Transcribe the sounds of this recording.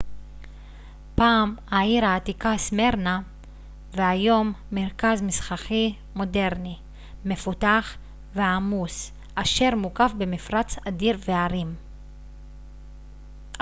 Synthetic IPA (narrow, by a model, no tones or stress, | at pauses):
paːmhaiʁaːt̪ikasme̞ʁna | veajo̞mːeʁkazmisχaχi | mo̞de̞ʁni | me̞futaχ | veamus | ʔaʃe̞ʁmukafbe̞mifʁat͡sadiʁveaʁim